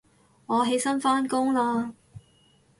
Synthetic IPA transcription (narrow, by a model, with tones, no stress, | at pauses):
ŋɔː˨˧ɦe˨˥jsɐ˥nfaː˥nkʊ˥ŋlaː˧